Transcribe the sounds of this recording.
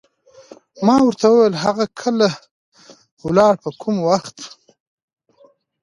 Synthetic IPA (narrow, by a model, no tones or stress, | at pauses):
mɑwəɾt̪ʰawəwejəlɦaɣakʰəla | wlɑɽpəkʰʊmwaxt̪